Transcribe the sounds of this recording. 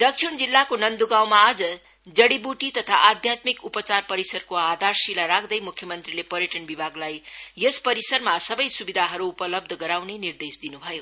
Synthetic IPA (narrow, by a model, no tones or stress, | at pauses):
d̪ʌksʰiɳd͡zilːakonʌnd̪uɡawmaːd͡zʌ | d͡zʌɽibuʈit̪ʌt̪ʰaʔad̪ʱjat̪mikupʌt͡sarpʌɾisʌrkoad̪ʱarsilaɾakʰd̪ʌjmukʰjʌmʌnt̪rilepʌɾjeʈʌnbibʱaɡlajːespʌɾisʌɾmasʌbʌjsubid̪ʱaɦʌɾuːpʌlʌb̚d̪ʱʌɡʌɾawnenird̪esd̪inubʱʌjo